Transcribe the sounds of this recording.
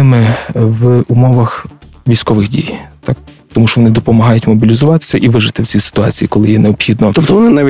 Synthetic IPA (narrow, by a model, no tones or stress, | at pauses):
ɪmɪʋumɔʋɐx | ʋʲijsʲkɔʋɪxdʲḭjt̪ɑk̚ | t̪ɔmuʃt͡ʃɔʋɔnɪd̪ɔpɔmɐɦɑjʊtʲmɔbʲilʲizʊʋɑt̪ɪ̥sʲɐʔiʋɪʒɪt̪ɪwt͡sʲisɪ̥t̪ʊɑ̰t͡sʲijikɔlˠɪjɛneɔpxʲid̪nɔt̪ɔpt̪ɔʋɔnɪnaʋʲ